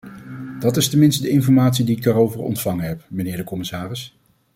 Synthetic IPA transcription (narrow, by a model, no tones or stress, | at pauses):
d̥ɑtɪstəmɪnstədəɪnfɔɹmaːtsidiɪɡ̚daːɾowvəɹɔ̰ntfɑŋəɦɛpmənɪːɹdəkɔmɪsaːrɪs